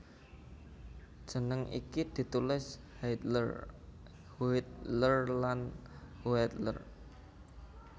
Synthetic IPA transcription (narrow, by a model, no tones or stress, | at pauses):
ʒ̥ə̤nəŋʔḭkid̪̥i̤t̪ulɪshajt̪lər | huɪt̪̚lərlan | huɛt̪lə̰r